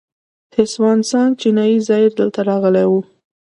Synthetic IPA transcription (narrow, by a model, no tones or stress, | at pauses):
h̪ɪswɑnsɑnt͡ʃɪnɑjizɑjɪɾd̪əlt̪aɾɑɣəlawu